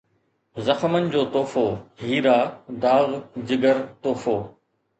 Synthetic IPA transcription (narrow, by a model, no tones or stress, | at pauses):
zɐxmənɪ̆d͡ʑoːt̪oːfoɦiːɾaːd̪aːɣd͡ʑɪɡəɾt̪oːfoː